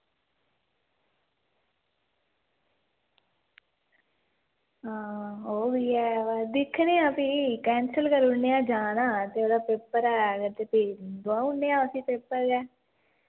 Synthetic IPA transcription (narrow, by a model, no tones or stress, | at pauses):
ɦãːɦoːɡiːɛːʋad̪ɪkʰːnẽːapikɛːnsəlkəɾʊneãːd͡ʒaːnaːt̪eːoːɽaːpeːpəɾɛːɡəɾt̪eːpeːd̪oãːʊnːeːãːʊsĩːpeːpəɾɡɛː